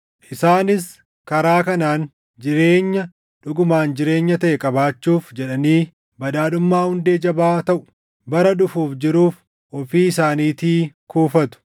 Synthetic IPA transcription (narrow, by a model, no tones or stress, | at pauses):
ʔɪsaːnɪs | kɐɾaːkɐnaːn | d͡ʒɪɾeːɲːɐ | ᶑʊɡʊmaːnd͡ʒɪɾe̞ːɲːɐt̪ɐʔɛkʼɐbaːt͡ʃːuːfd͡ʒɛᶑɐniː | bɐᶑaːɗʊmːaːhʊnd̪eːd͡ʒɐbaːt̪ɐʔʊ̥ | bɐɾɐᶑʊfuːfd͡ʒɪɾuːf | ʔɔfiːɪsaːniːt̪iːkuːfɐt̪ʊ̥